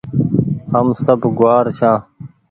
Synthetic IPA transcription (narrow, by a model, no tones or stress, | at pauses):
həmsəbʱɡʊwaːɾt͡ɕʰãː